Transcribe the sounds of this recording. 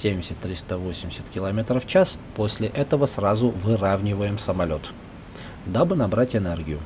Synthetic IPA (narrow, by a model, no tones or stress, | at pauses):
sʲemʲdʲɪsʲət̪ːɾʲist̪əvo̞sʲɪmʲɪsʲə̥t̪kʲɪlˠɐmʲe̞t̪ɾəft͡ɕasposʲlʲɪʔɛt̪əvəsrazʊvɨravnʲɪvəjɪmsəmɐlʲo̞t̪ | d̪abɨnɐbɾatʲɪnɛrɡʲɪjʊ